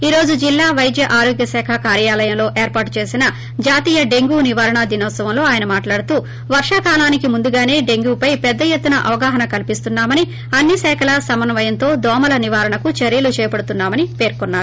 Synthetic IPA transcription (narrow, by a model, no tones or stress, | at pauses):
iːɾo̞ːd͡ʒud͡ʒilːaːʋɐjd̪jɐʔaːɾo̞ːɡjɐsɛːkʰɐkaːɾjaːlɐjɐmlo̞ːʔe̞ːɾpaːʈut͡ʃe̞ːsinɐ | d͡ʒaːt̪iːjɐɖe̞ŋɡuːniʋaːɾɐɳɐd̪inɐːsɐʋɐmlo̞ːaːjɐnɐmaːʈlaːɽut̪uː | ʋɐɾʂaːkaːlaːnikimund̪uɡaːne̞ːɖe̞ŋɡuːpɐjpɛd̪ːɐjet̪ːunɐʔɐʋɐɡaːɦɐnɐkɐlipist̪unːaːmɐni | ɐnːisɛːkʰɐlɐsɐmɐnɐʋɐjɐnt̪o̞ːd̪ɔːmɐlɐniʋaːɾɐɳɐkut͡ʃɐɾjɐlut͡ʃɛːjɐpɐɽut̪unːaːmɐnipe̞ːɾkunːaːɾu